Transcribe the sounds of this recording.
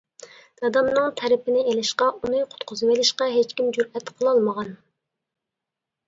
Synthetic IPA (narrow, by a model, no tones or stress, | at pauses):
d̪̥ɑd̪ɑmnɨŋt̪ʰɛɾɪpɪnɪelɪʃqɑunɨqʰʊ̥t̪qʰʊzɨwelɪʃqɑɦet͡ʃkʲimd͡ʒuɾɛt̪qʰəlˠɑlˠməʁɑn